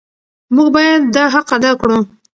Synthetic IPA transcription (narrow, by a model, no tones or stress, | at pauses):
muɡbɑjad̪ːɑɦaqad̪ɑkɽu